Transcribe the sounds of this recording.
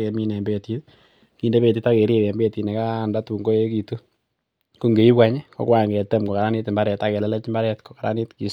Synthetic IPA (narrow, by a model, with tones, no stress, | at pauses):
e˨mi˦nɛ˨mbe˨ti˦t | kiː˨˦nde˦pe˨ti˦ta˦ke˨ɾi˦ɾɛ˨mbe˦ti˨ne˨ka˦˨nda˦tu˨ŋɡo˦e˦ki˨tu˦ | ku˦ŋɡe˨i˦pwa˦ɲe˦ko̰˦kwa˦˨ŋɡe˨te˦mko˨ka˨ɾa˦ni˦tmba˦ɾɛ˨ta˦kɛ˨lɛ˦lɛ˦t͡ʃmba˦ɾɛ˦tko̥˨ka˨ɾa̰˦ni˦tki˨